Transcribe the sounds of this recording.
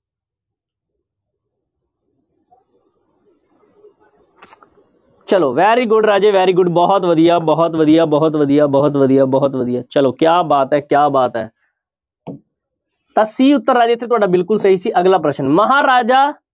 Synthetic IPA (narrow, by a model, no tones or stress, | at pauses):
t͡ʃəloːʋɛːɾiːɡʊɖɾaːd͡ʒeːʋɛːɾiːɡʊɖbɔːɦt̪ʋəd̪ijaːbɔːɦt̪ʋəd̪ijaːbɔːt̪ʋəd̪ijaːbɔːt̪ʋəd̪ijaːbɔːt̪ʋəd̪ijaːt͡ʃəloːkjaːbaːt̪ɦɛːkjaːbaːt̪ɦɛ̰ː | t̪ãːsiːʊt̪ːəɾːaːd͡ʒeːɪt̪ʰːeːt̪ʊaːɖaːbɪlkʊlsəɦiːsiːʔəɡlaːp̬ɾəʃənməɦaːɾaːd͡ʒaː